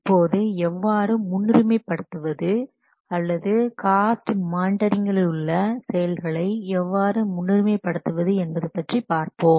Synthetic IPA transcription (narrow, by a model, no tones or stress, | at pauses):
pːoːðɯɛʋːaːɾɯmʊnːɪɾɯmeːpːɐɽɯt̪ːɯʋɐðɯ | ɐlːɐðɯkaːsʈmaːɳɖɐɾɪŋɡɐɭɯɭːɐsɛjɐlɣɐɭɐɪɛʋːaːɾɯmʊnːɪɾɯmeːpːɐɽɯt̪ːɯʋɐðɯɛnbɐðɯpɐʈripaːɾpoːm